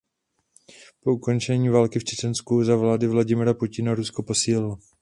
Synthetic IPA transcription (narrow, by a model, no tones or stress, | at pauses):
po̞uko̞nt͡ʃɛɲiːvaːlkɪft͡ʃɛt͡ʃɛnskuzavlaːdɪvlaɟɪmɪɾapucɪnaɾuskopo̞siːlɪlɔ